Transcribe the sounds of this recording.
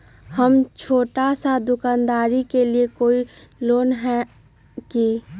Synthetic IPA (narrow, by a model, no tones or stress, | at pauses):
həmt͡ʃʰoːʈasad̪ʊkaːnd̪aːɾikeliekoːiloːnɦɛ | ki